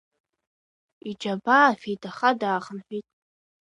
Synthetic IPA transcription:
id͡ʒabaːfitʼʰaχadaːχənħʷᶣitʼ

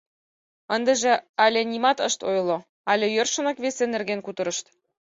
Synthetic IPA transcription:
ənd̪ə̆ʒĕɑlʲĕnʲimɑt̪əʃt̪ojlo | ɑlʲĕjørʃə̆nɤkβesenːerɣenkut̪ɤ̆ɾɤ̆ʃt̪

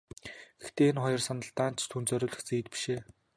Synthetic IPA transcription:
ɡ̥ext̪eːenχɔjɞ̆rsanə̆ɬt̪aːnt͡ɕʰt̪ʰunt͡sœɾʲʊːɮɘ̆xt͡seːt̪̚pi̥ʃeː

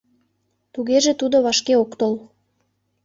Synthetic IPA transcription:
t̪uɣeʒet̪ud̪oβɑʃkeokt̪ol

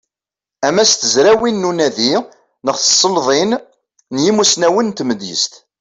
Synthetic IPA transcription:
æmæst̪əzɾæwinːunæði | nəχθə̥sˤːəlðˤin | njimusnæwənt̪məd̪jə̰st̪

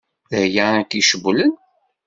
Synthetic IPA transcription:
jaækiʃəblən

